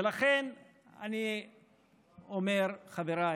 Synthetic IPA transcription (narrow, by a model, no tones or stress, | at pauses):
elaχen | a̰ni | omeɾχaveɾa